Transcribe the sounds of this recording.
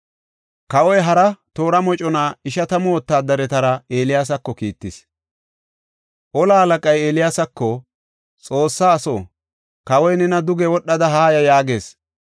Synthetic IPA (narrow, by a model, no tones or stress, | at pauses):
kɐwɔjɦɐɾɐt̪o̞ːɾɐmɔt͡ʃʼɔnaːɪʃɐt̪ɐmoːt̪ːaːd̪ɐɾɛt̪ɐɾɐeːlɪjaːs̬ɐkːɔkiːt̪ːɪs | ʔɔlaɐlɐkʼɐjeːlɪjaːsɐkːɔ | t͡sʼo̞ːsːaːso̰ː | kɐwɔjnɛnɐd̪ʊɡɛwɔɗːɐd̪ɐɦaːjɐjaːɡe̞ːs